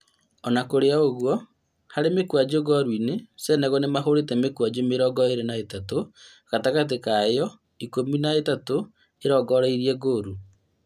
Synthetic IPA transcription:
ɔnakoɾeaoɣwɔ | haɾemekwad͡ʑoɡɔɾwinesɛnɛɣɔnemaɦoɾetɛmekwad͡ʑomeɾɔɡɔeɾenaetato | kataɣat̬ekaejɔ | ikominaetato | eɾɔɡɔɾaiɾiɛɡoːɾu

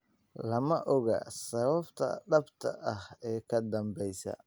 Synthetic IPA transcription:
lɐmɐʔɔɣa̰sɐβɐbt̪ʰɐ̰ɖɐbt̪ʰɐ̰ʔɐhɛːkʰɐd̪ɐmbɛjsɐ̰

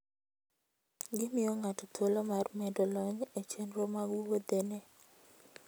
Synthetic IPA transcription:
ɡɪmɪɔŋatɔtʰolɔmarmɛdolɔɲet͡ʃenɾomaɡuwod̪ene

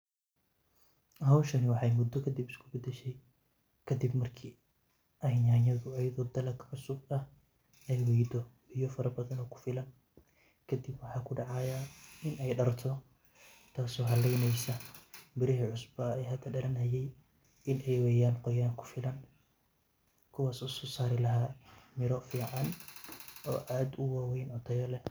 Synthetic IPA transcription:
ʔɦɐwʃɐnɪwɑħɑjmʊd̪ːɔkʰɐd̪ibɪskʰʊ̥bɐd̪ɛʃɛj | kʰɐd̪ibmɐrkʰiː | ʔɐɦɪjanɐðʊɐjɐðɔːd̪ɐlɐkʰʕʊsʊɡ̚ɐh | ɛjwɛjd̪ɔ | ɪjɔfɐɾɐbɐðɐnɔːkʰʊ̥fɪlɐn | kʰɐd̪ɪbwɑħɑːkʰʊɖɑʕɑːjɐʔɪnɛjɖɐrt̪ʰɔ | t̪ʰaːsɔːɦɐlɛjnɛjsɐbɪɾɪɦiːʕʊsbɔɛjɦɐd̪ʰɐɖɐlɐnhɐjɛj | ʔɪnʔɛjwɛjaːnqɔjaːŋkʰʊ̥fɪlɐn | kʰʊwaːsɔsɔsaːɾɪlɐɦaːmɪɾɔfiːʕɑn | ʔɔ̰ːʔaːd̪ʊwaːwɛjnʔɔt̪ʰɛjɐlɛ

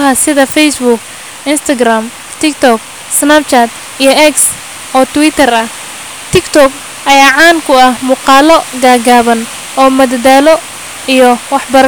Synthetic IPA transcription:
ɦɐsɪðɐfɛjsbʊk | ɪnst̪ʰɐɡraːm | t̪ʰɪkt̪ʰɔk | snap̚t͡ʃat̪ | ijɔʔɛks | ʔɔːt̪ʰʊwɪt̪ʰɐrɐh | t̪ʰɪkt̪ʰɔɡ | ʔɐjaːʕɑːŋkʰʊɐhmuːqɑːlɔɡaːɡaːβɐn | ɔːmɐðd̪aːlɔ | ijɔwɑħbɐɾ

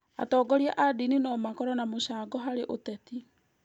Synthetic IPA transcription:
a̰tɔːɡɔɾia̰ʔadininɔmakɔɾɔnamoɕaːɡɔɦaɾeʔotɛti

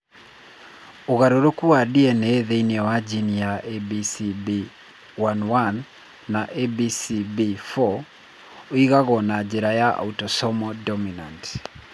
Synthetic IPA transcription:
oɣaɾoɾokuwadiɛnɛðeiniɛwad͡ʒinijaʔebisibi | wanwanː | aʔebisibifɔ | oiɣaɣɔnad͡ʒeɾajaʔa̰utɔsɔmɔdɔminant

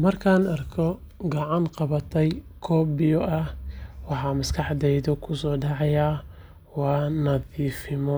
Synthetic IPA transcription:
mɐrkʰaːnɐrkʰɔ | ɡɑʕɑnqɑβɐt̪ʰɛjkʰɔːbɪjɔʔɐwɑħɑːmɐskʰɑħd̪ɛjðɔkʰʊsɔːɖɑʕɑjaː | wɑːnɐðiːfɪmɔ

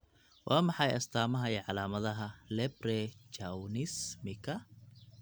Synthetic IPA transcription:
wʔɑːmɑħɑjɐst̪ʰaːmɐɦɐjɐʕɑlaːmɐðɐɦɐlɛbrɛt͡ʃɐwnɪsmɪkʰɐ

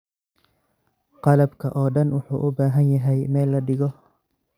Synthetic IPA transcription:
qɑlɐbkʰɐʔɔːɖɐnwʊħṵːʔʊbaːɦɐnjɐɦɛjmɛːlːɐɖɪɣɔ

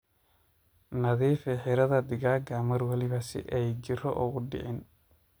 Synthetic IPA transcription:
nɐðiːfɛħɪɾɐðɐd̪ɪɣaːɡɐmɐrwɐlɪβɐsɪ̰ʔɛjd͡ʒɪrɔʔʊɣʊɖɪ̰ʕɪn

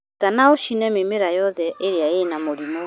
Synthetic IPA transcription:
kanaoʃinɛmemeɾajɔðɛʔeɾeaenamoɾimo

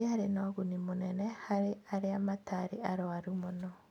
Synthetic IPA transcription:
aɾenɔɣunimonɛnɛhaɾeaɾeamataɾiaɾɔaɾumonɔ

